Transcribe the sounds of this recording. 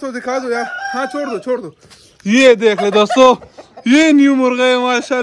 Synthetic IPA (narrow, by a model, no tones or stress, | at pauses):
sod̪ikʰaːzojaːhãːt͡ʃʰoːɾd̪ot͡ʃʰoːɽd̪o | jeːd̪eːkʰled̪ɐsojeːnjumuɾɣɐemaːɕa